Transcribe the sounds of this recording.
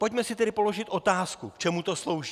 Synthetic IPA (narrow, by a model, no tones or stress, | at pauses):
pocmɛsɪt̪ɛdɪpolo̞ʒɪt̪ʔo̞t̪aːskṵkt͡ʃɛmut̪o̞slo̞wʒiː